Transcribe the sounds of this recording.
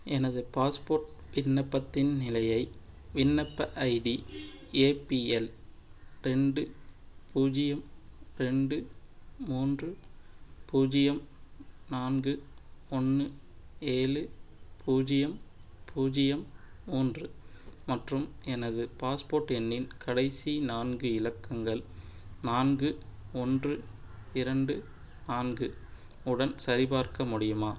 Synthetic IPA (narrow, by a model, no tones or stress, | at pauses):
ʔɛnɐðɯpaːspoːɾʈʋɪnːɐpːɐt̪ːɪnnɪlɐjɐɪ | ʋɪnːɐpːɐʔɐɪɖi | eːpiɛl | ɾɛɳɖɯpuːd͡ʒɪjɐmɾɛɳɖɯmuːndrɯ | puːd͡ʒɪjɐmnaːnɡɯɔnːɯ | eːlɯpʰuːd͡ʒɪjɐm | pʰuːd͡ʒɪjɐmmuːndrɯmɐʈrɯmɛnɐðɯpaːspoːɾʈɛnːɪnkɐɽɐɪsinaːnɡɯɪlɐkːɐŋɡɐɭnaːnɡɯɔndrɯ | ɪɾɐɳɖɯ | naːnɡɯ | ʊɽɐnsɐɾɪbaːɾkɐmʊɽɪjɯmaː